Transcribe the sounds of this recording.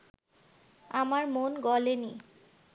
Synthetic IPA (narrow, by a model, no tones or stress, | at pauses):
amaɹmonɡɔleni